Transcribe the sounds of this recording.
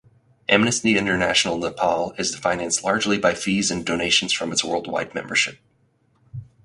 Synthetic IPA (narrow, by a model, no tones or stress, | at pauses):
ʔɛ̃mnɨsiɪ̃ntə˞næʃn̩l̩ˠnəpʰɑlˠɪzðɨfãɪ̃næ̃nstˡlɑɹd͡ʒlibaɪfizɨ̃ndoʊneɪʃn̩z̥fɹʌ̃mɨtswɜ̰˞lˠd̚wa̰ɪd̚mɛ̰̃mbə˞ʃɪp̚